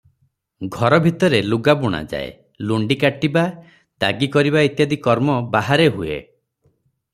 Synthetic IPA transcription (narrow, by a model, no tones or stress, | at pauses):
ɡʱɔɾɔbʱit̪ɔɾeluɡabuɽ̃a̰d͡ʒa̰ḛ | luɳɖikaʈiba | d̪̥a̰ɡikɔɾiβait̪jad̪ikɔɾmɔbaɦaɾeɦuḛ